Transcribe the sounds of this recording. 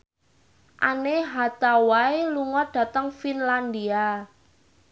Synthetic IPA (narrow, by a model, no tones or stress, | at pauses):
ʔaneɦat̪awaeluŋɔɖ̥ä̤t̪əŋfinland̪ia